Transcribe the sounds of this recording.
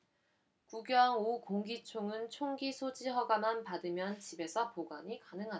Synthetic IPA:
kuɡjʌŋokoŋɡit͡ɕʰoŋɯnt͡ɕʰoŋɡisʰod͡ʑiɦʌɡamanpadɯmjʌnt͡ɕibe̞sʰʌpoɡwaɲikanɯŋɦa

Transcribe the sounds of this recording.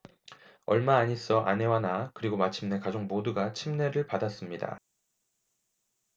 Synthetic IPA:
ʌ̰ɭmaːɲis͈ʌʔa̰ne̞wanakɯɾiɡomat͡ɕʰimne̞kad͡ʑoŋmoduɡat͡ɕʰimne̞ɾɯɭpadas͈ɯmɲida̰

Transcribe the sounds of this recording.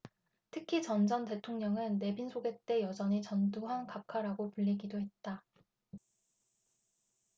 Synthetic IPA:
tʰɯkʰit͡ɕʌnd͡ʑʌnte̞tʰoŋɲʌŋɯnːe̞binsʰoɡe̞t͈e̞jʌd͡ʑʌɲit͡ɕʌnduɦankakʰaɾaɡopuʎːiɡidoɦe̞t̚t͈a

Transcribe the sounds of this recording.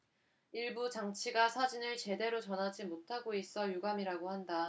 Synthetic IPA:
iɭbut͡ɕaŋt͡ɕʰiɡasʰad͡ʑinɯɭt͡ɕe̞de̞ɾot͡ɕʌnɦad͡ʑimotʰaɡois͈ʌjuɡamiɾaɡohanda

